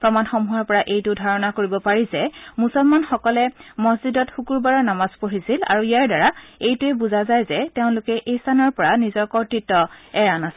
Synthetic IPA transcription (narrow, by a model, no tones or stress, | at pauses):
pɹɔmanxɔmuɦɔɹpɔɹaʔejtʊdʱaɹɔnakoɹibɔpaɹizɛmusɔlmanxɔkɔlɛmɔszidɔtxukuɹbaɹɔɹnamaz̥poɹisila̰ɹuijaɹdaɹaejtʊɛbuzazajzɛteʊ̃nlʊkɛʔejstanɔɹpɔɹanizɔɹkɔɹtɹitːɔɛɹanasɛ